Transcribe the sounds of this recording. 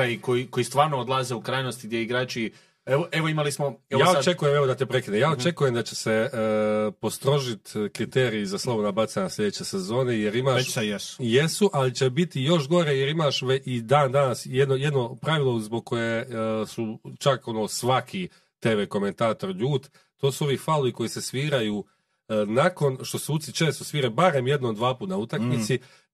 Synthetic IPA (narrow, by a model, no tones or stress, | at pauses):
aikojiko̞ist̪ʋaːɾnood̪lˠazeukɾaːjnost̪iɡd̪jeiɡɾaːt͡ʃi | eʋoʔeʋoimalismoeaːot͡ʃekujemeʋo̞d̪at̪epɾekinejaːot͡ʃe̞kuje̞md̪at͡ɕe̞̥se̞ | po̞st̪ɾo̞ʒit̪kɾit̪e̞ːɾiːzaslˠoʋonabat̪saɲaslʲʎʲe̞d̪eːt͡ɕe̞sezo̞ːne̞jeɾimaːʃjesjesuʔalit͡ɕebit̪ijo̞ʃɡo̞ɾe̞jeɾimaʃʋeid̪aːnd̪anasjed̪noje̞d̪no̞pɾaʋilˠozboɡ̚ko̞jesut͡ʃako̞noːsʋakʰi | t̪e̞ːʋeko̞me̞nt̪aːt̪o̞ɾʎuːt̪ | t̪o̞ːsuo̞ʋiːfaloiko̞jise̞sʋiːɾajuː | nako̞nʃt̪o̞seut̪sit͡ʃe̞ːst̪osʋiːɾebaɾe̞mje̞d̪nod̪ʋaːpuːt̪naut̪akkmit̪i